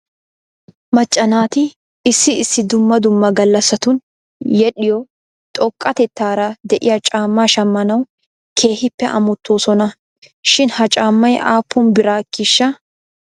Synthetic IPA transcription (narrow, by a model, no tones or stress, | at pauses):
mɐt͡ʃʼːɐnaːt̪ɪ | ɪsːɪɪsːɪd̪ʊmːɐd̪ʊmːɐɡɐlːɐsɐt̪ʊn | jɛɗɪjɔ | t̪ʼɔkʼːɐt̪ɛt̪ːaːɾɐd̪ɛʔɪjɐt͡ʃʼaːmːaːʃɐmːɐnɐw | kʰe̞ːhɪpːɛʔɐ̰mɔt̪ːoːsɔnɐ | ʃɪnhɐt͡ʃʼaːmːɐjaːpʰːʊnbɪɾaːkːɪʃːɐ